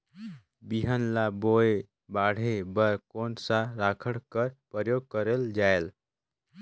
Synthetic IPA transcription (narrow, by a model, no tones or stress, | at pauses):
biɦənlaboe | baɽ̤ebəɾkonsaɾakʰəɽkəɾpɾəjoɡ̚kəɾeld͡ʒael